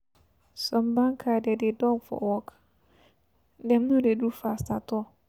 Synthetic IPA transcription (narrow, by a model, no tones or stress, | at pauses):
sɔmbãŋkʰadɛdɪdɔŋfɔ̰wɔkʰ | dɛ̃mnʊ̃dedufastatʰɔ